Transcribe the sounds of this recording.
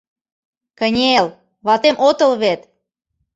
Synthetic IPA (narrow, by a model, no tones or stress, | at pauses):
kə̆nʲel | βɑt̪emʔot̪ɤ̆lβet̪